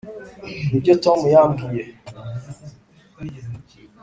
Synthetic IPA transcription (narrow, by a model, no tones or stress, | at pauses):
iɡetɔmujambije